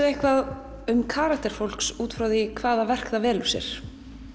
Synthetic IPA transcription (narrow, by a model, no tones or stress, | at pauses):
ehkvað | ʏmkʰaːɾakt̪ɛɾ̥fowl̥ksuːt̪fɾawðɪkʰvaːðavɛr̥kðavɛːlʏ̥sjɛ̰ɾ̥